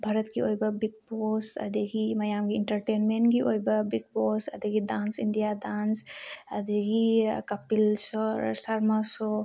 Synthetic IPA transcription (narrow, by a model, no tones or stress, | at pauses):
bʱaɾɐt̪ɡiojbɐbiɡ̚posɐ̰d̪iɡimɐjamɡiːnʈɐɾʈenmenɡiʔojbɐbiɡ̚posɐd̪iɡidansindijadansɐd̪iɡikɐpilssaɾmasɔ